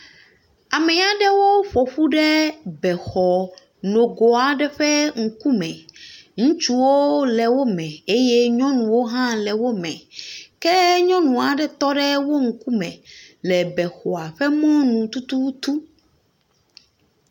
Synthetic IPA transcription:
a˨mɛ˨a˨ɖɛ˦wo˦ɸo˨ɸu˦ɖɛ˦bɛ˨xɔ˨ | no˨ɡo˨a˨ɖɛ˦ɸɛ˦ŋ̩˨ku˦mɛ̃˨ŋũ˦t͡ʃu˦wo˦lɛ˨wo˦mɛ̃˨e˦jɛ˦ɲɔ̃˦nũ˨wo˦ɦã˦lɛ˨wo˦mɛ̃˨kɛ˦ɲɔ̃˦nũ˨a˨ɖɛ˨t̪ɔ˦ɖɛ˦wo˦ŋ̩˨ku˦mɛ̃˨lɛ˨bɛ˨xɔ˨a˨ɸɛ˦mɔ̃˦nũ˨t̪u˦t̪u˦t̪u˦

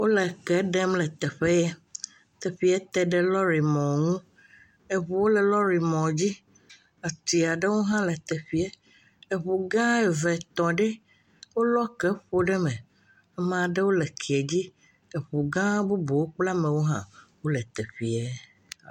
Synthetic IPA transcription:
wo˦lɛ˨kɛ˦ɖɛ˦mlɛ˨t̪ɛ˨ɸe˦jɛ˦ | t̪ɛ˨ɸi˨ɛ˦t̪ɛ˦ɖɛ˦lɔ˦ɾi˨mɔ̃˨ŋũ˦ | e˨βu˨wo˦lɛ˨lɔ˦ɾi˨mɔ̃˨d͡ʑi˦ | a˨t̪i˨a˨ɖe˦wo˦ɦã˦lɛ˨t̪ɛ˨ɸi˦ɛ˦ | e˨βu˨ɡã˦ɛ˨vɛ˨t̪ɔ̃˨ɖɛ˦ | wo˦lɔ˦kɛ˦ɸo˦ɖɛ˦mɛ̃˨ | a˦mã˨ɖe˦wo˦lɛ˨kʰi˨e˨d͡ʑi˦ | e˨ɸu˨ɡã˦bu˦bo˨wo˦k͡pla˦mɛ̃˨wo˦ɦã̰˦wo˦lɛ˨t̪ɛ˨ɸi˨ɛ˦

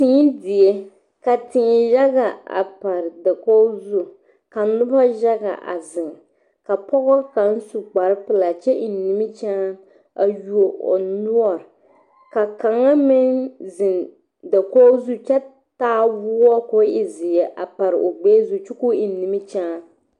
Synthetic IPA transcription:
ti˦dɪ˨ɛ˦ | ka˨tɪ˨ja˦ɡa˨a̰˨pa˨ɾɪ˨da˨kɔ˦zu˦ | ka˨nʊ˦ba˦ʒa˦ɡa̰˨ʔa̰˨zɪ˨ŋ | ka˨pɔ˦ɣɔ˦ka˨n̩˦su˨k͡pa˨ɾɨ˦pɨ˦la˨t͡ʃɛ˦ʔɪ˨˦ni˨mɪ˦t͡ʃaː˦ | a˨ju˨o˨o̰˨nʊ˦ɔ˨ɾ | ka˨ka˨ŋa˦mɪ˦nzɪ˨n | da˨ko˦zu˦t͡ʃɛ˦ | taː˦wuː˦wɔ˦ko˦ʔɪ˨zɪ˨ɛ˨ʔa̰˨pa˨ɾɨ˨ʔo˨ɡ͡beː˦zu˦t͡ʃu˦ku˦ɪ˨˦nːi˨mɪ˦t͡ʃaː˦

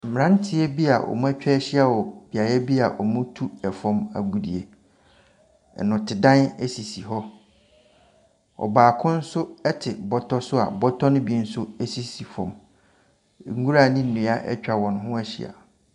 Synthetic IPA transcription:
m̩˨mɪ̃˨ã˦n˦tʰɪ˨˦ɛ˦bi˦a˨ʔɔ̰˨mũ˦æ˦t͡ɕᶣɛ˦ɛ˦ɕɪ˦a˨wɔ˨b̥i˨a˨jɛ˦bi˦a̰˨ʔɔ˨mʊ̃˦tʰu˦ɛ˨fɔ̃˦ma̰˨ɡu˨dḭ˨e˨ | nʊ̃˨tʰɪ˨dã˦nɛ˦si˨si˨ɦɔ˦ | ɔ̰˨baː˨kʰʊ̃˦n̩˦sʊ˦ɛ˦tʰɪ˨bɔ˦tʰɔ˦sʊ˦a̰˨bɔ˦tʰɔ˦nʊ̃˦bi˦n̩˦sʊ˦ɛ˦si˨si˨fɔ̰̃˨m˨ | ŋ̩˦ɡu˦ɾa˦˨nĩ˦n̩˨nʊ̃˨a˦ʔɛ̰˦t͡ɕᶣa˨wɔ̃˨nʊ̃˨ɦʊ̃˦ɛ˦ɕɪ̰˨a̰˨

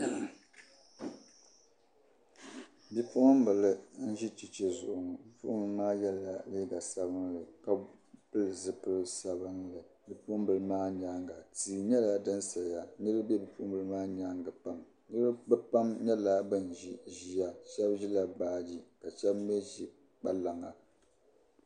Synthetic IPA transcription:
bi˨pʊ˦ʔʊ˦m̩˦bɨ˨lɨ˦n̩˦ʒi˦t͡ʃi˨t͡ʃɛ˦zʊ˨ʔʊ˨ŋ˨bi˦pʊ˦ʔʊ˦m˨˦maː˦jɛ˦lːa˨li˦ɡa˨sa˦bɨ˦ŋlɨ˨ka˨pɨ˦lɨ˨zɨ˦pɨ˦lsa˨bɨ˦ŋlɨ˨ | bi˨pʊ˦m˦bɨ˨lɨ˦maː˦ɲa˦ŋɡa˨tiː˨ɲɛ˦la˨a˨dɨ˦nsa˨la˨nɨ˦ɾɨ˦bɛ˦bi˨pʊ˦ʔʊ˦mbɨ˨lɨ˦maː˦ɲa˦ŋɡɨ˨pa˦m | nɨ˦lɨ˦bɨ˦pa˦mɲɛ˦la˦bɨ˦n˨ʒi˦ʒi˦ja˦ʃɛ˦bʒi˦la˨baː˦d͡ʒi˦ka˨ʃɛ˦bm˦ɛ˦ʒi˦ | k͡pa˦la˨ŋa˨

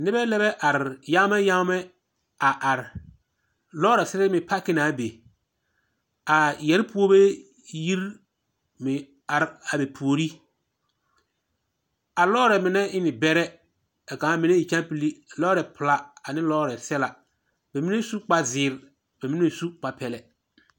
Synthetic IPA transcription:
nɪ˦bɛ˦lɛ˦bɛ˦ʔa˨ɾɪ˨ja˦mɛ˦ja˦mɛ˦ | a˨ʔa˨ɾ | lɔː˦ɾɛ˨sɛ˦ɾɛ˦mɪ˨pa˦kɪ˦na˨˦be˨ | a˨jɛ˨ɾpu˦o˦be˦ | ji˦ɾ | mɪ˨ | a˨ɾa˨be˨pʰu˨o˨ɾi˦ | a˨lɔː˦ɾɛ˨mɪ˨nɛ˦ɪ˦nɪ˨bɛ˦ɾɛ˦ | a˨kã˨˦mɪ˨ne˦i˨t͡ʃã˦pi˦li˦˨lɔː˦ɾɛ˨pʊ˨la˦a˨nɪ˦lɔː˦ɾɛ˨sɛ˦la˨ | b̥ɛ˨mi˦ne˦su˦k͡pa˦zɪː˨˦˨ɾ | b̥ɛ˨mi˦nɛ˦su˦k͡pa˨pɛ˨lɛ˨

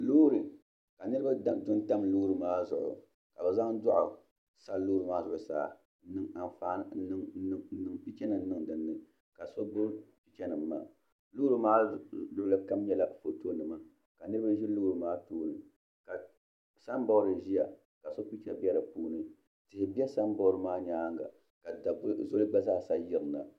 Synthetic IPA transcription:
lu˦ɾɨ˨ | ka˨nɨ˦ɾɨ˦ba˦˨dʊ˦nta˦mlu˦ɾɨ˨maː˦zʊ̰˨ʔʊ̰˨ | ka˨bɛ˨za˦ŋdʊ˦ʔʊ˨ | sa˦lu˦ɾɨ˨maː˦zʊ˦ʔʊ˨sa̰ː˦˨˦ | nɨ˦ŋa˨nfa˦˨˦ɨ˦ŋ˦ɨ˦n̩˦nɨ˨ŋpi˦t͡ʃɛ˦nɨ˨n̩˦nɨ˦˨ŋdɨ˨nːɨ˨ | ka˨so˦bo˦pi˦t͡ʃɛ˨nɨ˨mːa̰˨ | lu˦ɾɨ˨maː˦dʊ˦ʔʊ˦la˦ka˦mɲɛ˦la˨fo˨to˦nɨ˦ma˨ | ka˨nɨ˦ɾɨ˦ba˦ʒɛ˦lʊ˦ɡɾɨ˨maː˦toː˦nɨ˨ | ka˨ | sa˦n˦bɔ˦ɾɨ˨ʒi˦ja˨ | ka˨so˦pi˦t͡ʃɛ˨bi˦ɛ˦la˨puː˦nɨ˦ | tɪ˨hɪ˨bi˦ɛ˦sa˦nbɔ˦ʊ˦ɾɨ˨maː˦ɲaː˦ŋɡa̰˨ | ka˨da˨bzo˦lɨ˦ba˦zaː˦˨sa˦jɪ˦ɾɨ˨na˨

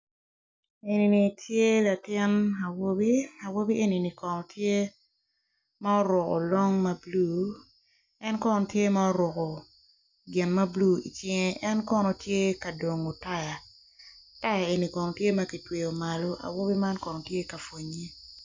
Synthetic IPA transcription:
e˨ni˨ni˨tʰje˦la˨tɪ˦na˨wo˦bi˦a˨wo˦bi˦ʔe˨ni˨ni˨kɔ˨nɔ˨tʰje˦ | ma˦ɔ˦ɾwʊ˨kɔ̰˨lo˦ŋmɐ˦bluː˦ | ɛ˦nkɔ˦nɔ˨tje˦ma˦ɔ˦ɾɔ˨kɔ˨ | ɡɪ˨nmɐ˦bluː˦ḭ˨t͡ʃɪ˦ŋe˦ʔɛ˦nkɔ˦nɔ˨tje˦ka˨do˨ŋo˨ta˦ja˨ | ta˦ja˨e˨ni˨kɔ˨nɔ˨tje˦mɐ˦ki˨twe˨o˨ma˨lo˦ʔa̰˨wo˦bi˦ma˦nkɔ˨nɔ˨tje˦ka˨fwo˨ɲe˦

